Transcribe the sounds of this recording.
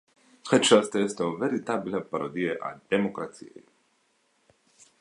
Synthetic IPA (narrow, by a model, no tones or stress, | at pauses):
xɛt͡ʃast̪ɛst̪ovɛɾit̪abilʲapaɾod̪ijeʔa̰d̪̥emokɾat̪sḭjḛ